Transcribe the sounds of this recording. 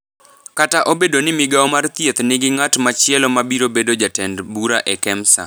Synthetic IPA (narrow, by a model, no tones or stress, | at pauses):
kataʔobedonɪmɪɡaɔmart̪jet̪nɪɡɪŋatmat͡ʃɪɛlɔmabiɾobedod͡ʒatɛndbuɾaʔɛkɛmsa̰